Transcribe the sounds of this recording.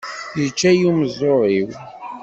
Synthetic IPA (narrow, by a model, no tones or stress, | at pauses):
nət͡ʃːæjuməzˤːoɾˤiw